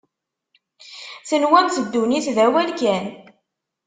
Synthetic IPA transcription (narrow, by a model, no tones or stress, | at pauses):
θənwæmθəd̪ːuniθðæwælkæn